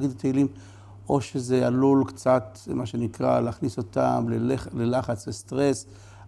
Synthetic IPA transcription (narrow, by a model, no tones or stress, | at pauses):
ɡid̪t̪ejlim | o̞ʃezealulkt͡sat̪ | maʃenikʁa̰leːχniso̞t̪a̰mleelelaχat͡slest̪ʁes